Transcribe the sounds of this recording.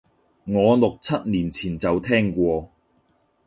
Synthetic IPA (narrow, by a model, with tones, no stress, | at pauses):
ŋɔː˨˧lʊ˨k̚t͡sʰɐ˥t̚niː˨˩nt͡sʰiː˨˩nt͡sɐ˨wt̪ʰɛː˥ŋkʷɔː˧